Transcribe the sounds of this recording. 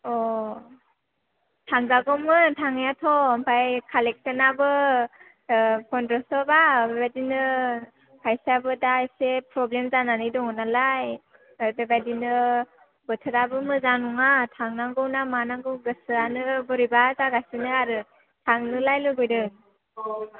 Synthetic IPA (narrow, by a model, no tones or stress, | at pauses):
ɔ | tʰaŋzaɡɔmɯtʰaŋjatʰɔmpʰajkʰalek̚senabɯ | kʰɔndɾɔsɔbabebajdinɯ | pʰajsabɯdajsepɾɔblemzananɯjdɔŋɯnalaj | bebajdinɯ | bɯtʰɯɾabɯmɯzanuŋatʰaŋnaŋɡɯwnamanaŋɡɯwɡɯsɯanɯbɔɾibazaɡasɯnɯaɾɯ | tʰaŋnɯlajlɯɡɔjdɯ